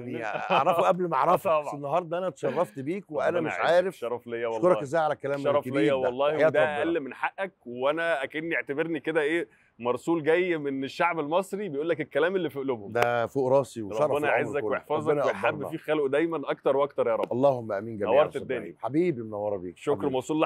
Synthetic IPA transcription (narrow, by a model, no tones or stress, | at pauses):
a̰ʕɾˤɑfʔæblmaʕɾˤɑfɑenːɑɦɑːɾˤd̪ˤɑʔænæt̪ʃɑrˤːɑft̪biːkweʔænæmeʃʕaːɾefʃɑɾˤːɑflejːæwɑlˤoɾɑːkezæjʕalækːælæːmɑɾˤɑflejːæwɑlˤːɑːhd̪ææʔælːmenħaʔːæk̚weʔænæʔækenːieʕt̪æbeɾniked̪æʔeː | mɑɾˤsˤuːlɡæjːmeneʃːaʕbelmɑsˤɾibejʔuːlːækelkːælæːmelːiːfeʔlobhomd̪æfoːʔɾˤɑːsiwɾˤɑbˤbænæʔaʕeːækweʔeħfɑːzˤwħabːefiːxæloʔd̪æjmænʔɑkt̪ɑɾˤwʔɑkt̪ɑɾˤjɑːɾˤɑ̰bɑlˤːɑːhomːæʔæmiːnɡæmnæwːɑɾˤt̪d̪ːæːniħabiːbimnɑwːɑɾˤbḭːkʃːokɾmɑˤsˤuːlː